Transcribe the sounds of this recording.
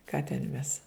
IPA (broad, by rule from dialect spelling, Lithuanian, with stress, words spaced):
ˈkɑː tʲɛn ˈmʲɛs